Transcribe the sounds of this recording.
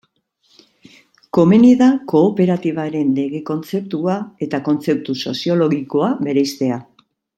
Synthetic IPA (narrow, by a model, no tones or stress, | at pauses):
ko̞meniðako̞ːpe̞ɾat̪iβ̞aɾe̞nle̞ɣe̞ko̞nt͡se̞p̚t̪uae̞t̪ako̞nt͡se̞p̚t̪uso̞̰sio̞lo̞ɣiko̞aβe̞ɾejst̪e̞a